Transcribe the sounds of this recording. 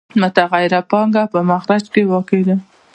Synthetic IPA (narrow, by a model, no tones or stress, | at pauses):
mʊt̪aɣajɾapɑŋɡapəmaxɾat͡ʃkewɑked̪a